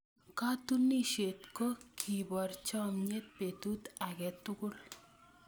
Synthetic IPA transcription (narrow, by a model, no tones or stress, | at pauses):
kat̪unːiɕet̪kɔkʰibɔɾt͡ɕamɲet̪̚pet̪ut̪aɡɛt̪ːuɡul